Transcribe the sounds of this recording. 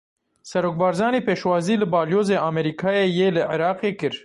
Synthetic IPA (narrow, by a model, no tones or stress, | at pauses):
sɛɾoːk̚bɑːɾzɑːniːpeːʃwɑːziːlɨbɑːljoːzeːʔaːmɛɾiːkʰɑːjeːjeːlɨʕɪɾɑːqeːkɨɾ